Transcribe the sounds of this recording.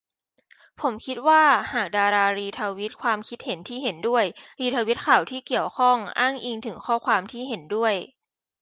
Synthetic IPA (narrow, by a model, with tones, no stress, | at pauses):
pʰo˩˦mkʰi˦˥t̪̚waː˥˩haː˨˩k̚daː˧ɾaː˧ɾiː˧t̪ʰaː˧wi˦˥t̪̚kʰwaː˧mkʰi˦˥t̪̚he˩˦nt̪ʰiː˥˩ɦe˩˦ndu˥˩əjɾiː˧t̪ʰaː˧wi˦˥t̪̚kʰa˨˩wt̪ʰiː˥˩ki˨˩əwkʰɔ˥˩ŋʔaː˥˩ŋʔiː˧ŋt̪ʰɯ˩˦ŋkʰɔː˥˩kʰwaː˧mt̪ʰiː˥˩ɦe˩˦ndu˥˩əj